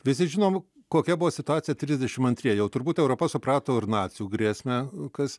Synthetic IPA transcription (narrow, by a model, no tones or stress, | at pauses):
ʋʲɪsʲɪʒʲɪnoːm | koːkʲɛbʊʋoːsʲɪt̪ʊɑːt͡sʲsʲɪjɛt̪ʲɾʲizʲd̪ʲɛʃʲɪmɐnt̪ʲɾʲiɛjɛʊt̪ʊɾbuːt̪ɛʊɾoːpɐsʊpɾɑːt̪oːɪɾnɑːtt͡sʲɪjuːɡɾʲiːsʲmʲɛkɐs